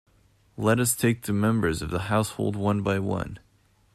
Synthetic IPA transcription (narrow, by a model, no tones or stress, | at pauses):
lɛɾʌstʰeɪk̚ðɨmɛ̃mbə˞zʌvðəhaʊshoʊlˠd̚wʌ̃nbaɪwʌ̰̃n